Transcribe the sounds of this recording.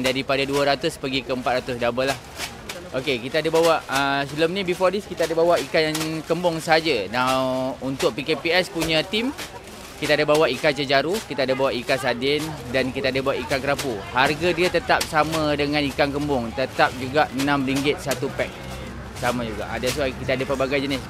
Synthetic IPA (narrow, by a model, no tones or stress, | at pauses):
daɾipadaduəɾat̪ʊspəɡikəəmpat̪̚ɾat̪ʊsdabəlah | ʔokekit̪adabawaʔəsiləmnĩbifɔdiskit̪aadabawaʔikajnkəmbʊŋsəɦad͡ʒanaunt̪ʊʔ̚pikepiɛspuɲãt̪im | kit̪aadabawaʔikat͡ʃəd͡ʒaɾukit̪adabawaʔikasadɪndankit̪aadabawaʔikaŋkəɾapuharɡadiət̪ət̪ap̚samãdəŋãnikankəmbʊŋt̪ət̪ap̚d͡ʒuɡaʔənãmɾiŋɡɪt̪̚sat̪upɛk̚ | samãd͡ʒuɡa̰ʔa̰das̬uakit̪aadəpəbaɡajd͡ʒənɪs